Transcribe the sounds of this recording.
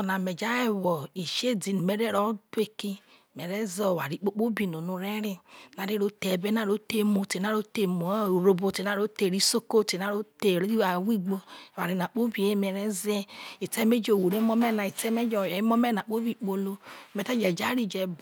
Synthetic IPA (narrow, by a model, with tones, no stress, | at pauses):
ɔ˨na˨mɛ˨d͡ʒa˦ɛ˦wɔ˨i˨ʃe˦di˨n˨mɛ˨ɾɛ˦ɾɔ˦te˦ki˦ | mɛ˨ɾɛ˦zɔ˦˨wa̰˨ɾi˨k͡po˦k͡po˦bi˨no˨nu˧ɾɛ˦ɾi˦na˨ɾi˦ɾo˦tɛ˨bɛ˦na˦ɾo˦te˦mo˨e˨na˦ɾo˦te˨mo˨˦o˨ɾo˨bo˨te˨na˨˦ɾo˦te˨ɾi˦so˦ko˦te˨na˦ɾo˦te˨ɾi˦a˨wi˦ɡ͡bo˧˨wa˨ɾi˨na˨k͡po˦bi˨e˦mɛ˨ɾɛ˦zɛ˦i˨tɛ˦me˦d͡ʒo˨wo˨ɾe˦mɔ˦mɛ˦na˨i˨tɛ˦me˦d͡ʒɔ˨jɔ˨i˦mɔ˦mɛ˦na˨k͡po˦bi˦˨k͡po˨lo˦˨mɛ˨ta˦d͡ʒɛ˨d͡ʒa˦ɾi˦˨d͡ʒɛ˨b